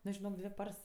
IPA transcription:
ˈnʊ ʒʲɪˈnoːk ˈdʲʋʲɪ ˈpɐrs

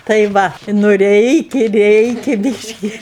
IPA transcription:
tɐɪ ˈʋɐ nʊ ˈrʲɛɪkʲɛ ˈrʲɛɪkʲɛ ˈbʲiːʃʲkʲɪ

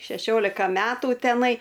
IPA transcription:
ʃʲɛˈʃʲoːlʲɪkɐ ˈmʲæːtʊ tʲɛˈnɐɪ

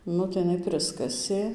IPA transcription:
ˈnʊ tɐɪ jɪˈnɐɪ ˈpʲrʲɪskɐsʲeː

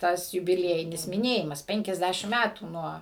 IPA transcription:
ˈtɐs jʊbʲɪˈlʲiɛjɪnʲɪs mʲɪˈnʲeːjɪmɐs pʲɛŋʲkʲɛzʲˈdʲæʃʲɪm ˈmʲætuː ˈnuɔ

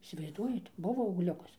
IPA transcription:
iːsʲɪʋɐɪzˈduɔjɛt ˈbʊʋoː ɐʊɡˈlʲʊkɐs

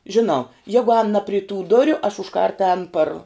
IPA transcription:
ʒʲɪˈnɐʊ ˈjæːɡʊ ɛːn nɐ pʲrʲɪ tuː ˈdʊrʲʊ ɐʃ ʊʃˈkɐrt ɛːn pɐr

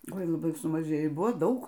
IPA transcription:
ˈoːɪ lˠɐˈbɐɪ sʊmɐˈʒʲeːjoː ɪ ˈbʊʋoː ˈdɐʊk

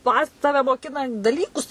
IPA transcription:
ˈpɐ ˈtɑːʋʲɛ moːˈkʲɪnɐ dɐˈlʲiːkʊs

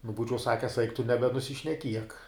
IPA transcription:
nʊ ˈbuːt͡ʃʲɛʊ ˈsɑːkʲɛs ɛɪk tʊ nʲɛbʲɛnʊsʲɪʃʲnʲɛˈkʲiɛk

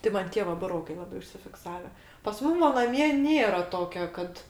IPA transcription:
tɐɪ ˈmɐn ˈtʲiɛ ʋɐ bʊˈroːkɐɪ lˠɐˈbɐɪ ʊʃʲsʲɪfʲɪkˈsɑːʋʲɛ pɐs ˈmʊm ʋɐ nɐˈmʲiɛ ˈnʲeːrɐ ˈtoːkʲoː ˈkɐt

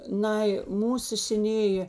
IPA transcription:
ˈnɐɪ ˈmuːsʊ sʲɛˈnʲeːjeː

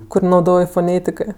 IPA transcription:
ˈkʊr nɐʊˈdoːj foːˈnʲeːtʲɪkɜ

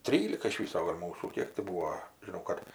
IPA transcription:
ˈtʲrʲiːlʲɪkɐ ɪʃ ˈʋʲiːsoː ɡɐlʲ ˈmuːsuː ˈkʲiɛk tʲɪ ˈbuːoː ʒʲɪˈnɐʊ kɐt

